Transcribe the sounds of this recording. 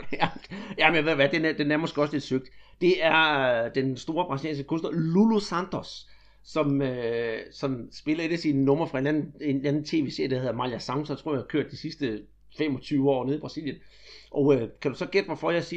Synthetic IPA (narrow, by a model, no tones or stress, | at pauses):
jæmenjaʋe̝ðˠʋæd̥enæd̥enæɐmɒ̽sɡ̥ɒ̽sled̥søɡ̥̚d̥d̥e̝æɐd̥ensd̥o̝ːɐb̥ʁɑ̈silɛ̰ːnsɡ̥əkʰɔ̽nsd̥ɐlulusænd̥ʰɔsː | ɒ̽møsɒ̽msb̥e̝lɐe̝dæsinənɔ̽mɐfʁɑ̈e̝nlæn̩eænn̩t͡sʰe̝ːʋe̝ːse̝ɐ̰jdɑæheðˠmɑ̈ljæsɑ̈ʊmsɒnt͡sʰʁo̰ɐihɑkʰøɐ̰d̥ːisisd̥ə | femɒ̽t͡sʰyːʊəɒ̰ːneðˠib̥ʁɑ̈siljən | ʔɒ̽økʰæɾ̥usɒ̽ɡ̥ed̥ʋɒfɒæsiː